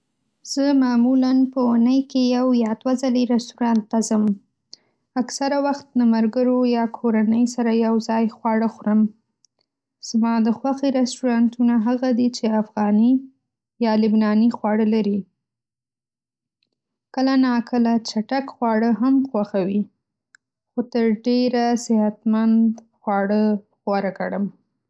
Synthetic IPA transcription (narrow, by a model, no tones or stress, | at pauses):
z̥əmɑmulanpəunəjkejawjɑd̪wazaleɾast̪uɾɑnt̪ːazəm | aksaɾawaxt̪lamaɾɡəɾojɑkʰoɾanəjsaɾajawzɑjxwɑɽəxʊɾəm | z̥mɑd̪əxwaxeɾast̪uɾɑnt̪unaɦaɣad̪it͡ʃeafɣɑni | jɑlɪbnɑnixwɑɽəlaɾi | kəlanɑkʰəlat͡ʃaʈakxwɑɽəɦamxwaxawi | xot̪əɾɖeɾasɪhat̪mand̪ | xwɑɽə | xwɑɾakaɽəm